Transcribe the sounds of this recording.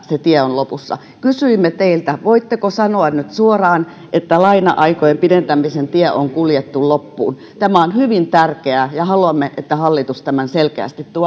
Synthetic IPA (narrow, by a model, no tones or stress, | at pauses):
set̪ieonlopusːɑ̰ | kysyimːet̪eilt̪æʋoit̪ːekosɑnoɑnnyt̪suorɑːn | ʔet̪ːælɑinɑʔɑikojempident̪æmisent̪iɛʔoŋkuljet̪ːullopːṵːn | t̪æmæonhyʋint̪ærkeæjɑhɑluɑmːeʔet̪ːæhɑlːit̪ust̪æmænselkeæ̰ˑst̪it̪t̪uɑ